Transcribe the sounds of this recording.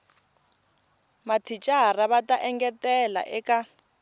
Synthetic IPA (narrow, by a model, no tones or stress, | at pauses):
matʰit͡ʃʼaraβatʼaʔɛŋɡɛtɛla̰ʔɛka